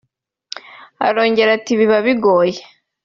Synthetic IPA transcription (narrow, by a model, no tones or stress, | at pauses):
a̰ɾo̞ːɲɟe̞ɾatiβiβaβiɡoːje